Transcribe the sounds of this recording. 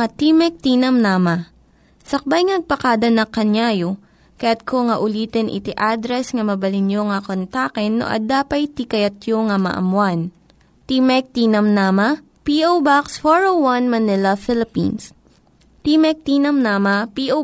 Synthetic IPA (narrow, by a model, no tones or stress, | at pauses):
at̪imɛk̚t̪iːnɐmnaːmɐ | sɐk̚bajŋnɐɡ̚pɐkad̪ɐnɐkːɐɲjaːjo | kɐjat̪̚kʰoŋɐʔʊliːt̪ɛnʔɪ̰t̪ɪʔad̪ɾɛsŋɐmɐbɐlɪnjoŋɐkont̪akɛnːo̰ʔɐ̰d̪aːpɐjt̪ikɐjɐt̪joŋamɐ̰ʔɐ̰mwan | t̪imɛk̚t̪iːnɐmnaːmɐ | piʔowbaksfoɹowwɐnmɐnɪlɐfɪlɪpḭns | t̪imɛk̚t̪iːnɐmnaːmɐpiʔo